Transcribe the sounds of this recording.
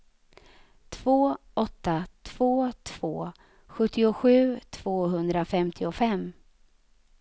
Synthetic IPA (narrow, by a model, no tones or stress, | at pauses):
t̪ʰv̥oːʔɔt̪ːat̪ʰv̥oːt̪ʰv̥oː | ɧɵt̪ːɪʊɧʉ̟ːt̪ʰv̥oːɦɵnd̪ɾafɛmt̪ʰɪʊfɛmː